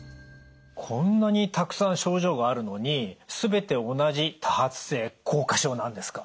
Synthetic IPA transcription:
kʰõ̞nːaɲ̟it̪akɯ̟̥sãɰ̃ɕo̞ːʑo̞ːɡaːɾɯ̟no̞ɲ̟isɨbe̞t̪e̞o̞naʑit̪ʰahat͡sɨ̥se̞ːkʰo̞ːkaɕo̞ːnãnd̪e̞sɨ̥kḁ

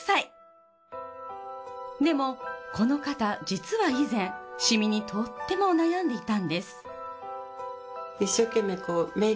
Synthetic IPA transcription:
sai | d̪e̞mo̞ko̞no̞kat̪ad͡ʑit͡sɨβaizẽ̞ɰ̃ɕimʲiɲ̟it̪ʰo̞t̪ːe̞mo̞najãnd̪e̞it̪ãnd̪e̞sɨ̥ | iɕːo̞kẽ̞mːe̞koːme

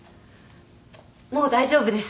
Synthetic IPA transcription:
mo̞ːd̪aiʑo̞ːbɯ̟d̪e̞sɨ̥

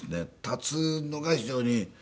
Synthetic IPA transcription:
sɨnet̪at͡sɨnoɡaçid͡ʑo̞ːɲ̟i

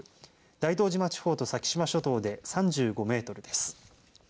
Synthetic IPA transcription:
d̪̥ait̪o̞ːʑimat͡ɕi̥ho̞ːt̪o̞sakʲi̥ɕimaɕo̞t̪o̞ːd̪e̞sãɲd͡ʑɨːɡo̞me̞ːt̪o̞ɾɯ̟d̪e̞sɨ̥

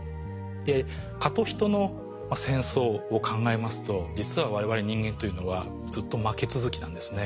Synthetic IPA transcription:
d̪e̞ | kat̪o̞çi̥t̪o̞no̞ | masẽ̞ɰ̃so̞ːkʰãŋɡae̞masɨ̥t̪o̞d͡ʑit͡sɨβaβaɾe̞βaɾe̞ɲ̟ĩŋɡẽ̞nt̪o̞jɯ̟no̞βa | d͡zzɨt̪ːo̞make̞t͡sɨzɨkʲinã̰nd̪e̞sɨne̞

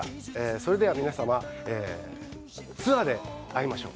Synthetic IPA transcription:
eːso̞ɾe̞d̪e̞βamʲinasamaeː | sɨad̪e̞aimaɕo̞̰ː

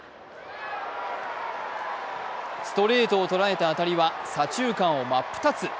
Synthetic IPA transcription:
sɨ̥t̪o̞ɾe̞ːt̪o̞ːt̪o̞ɾae̞t̪aːt̪aɾʲiβasat͡ɕɨːkãɰ̃o̞mapːɯ̟̥t̪at͡sɨ

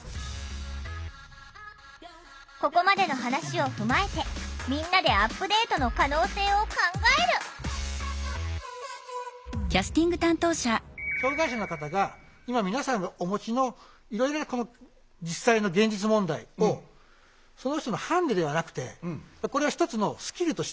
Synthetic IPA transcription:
ko̞ko̞mad̪e̞no̞ɦanaɕio̞ɸɯ̟mae̞t̪e̞mʲĩnːad̪e̞apːɯ̟d̪e̞ːt̪o̞no̞kano̞ːse̞ːo̞kãŋɡaeɾɯ̟ | kʲasɨ̥t̪ʲĩŋɡɯ̟t̪ãnt̪o̞ːɕaɕo̞ːɡaiɕano̞kat̪aɡa | imamʲinasãnːoʔomo̞t͡ɕino̞ | iɾo̞iɾonako̞no | d͡ʑisːaino̞ɡẽ̞ɲ̟d͡ʑit͡sɨmõ̞nd̪aio | so̞noçt̪o̞nohãnd̪ed̪e̞βanakɯ̟̥t̪e̞̰mako̞ɾe̞açi̥t̪o̞t͡sɨno̞sɨ̥kʲiɾɯ̟t̪o̞ɕ

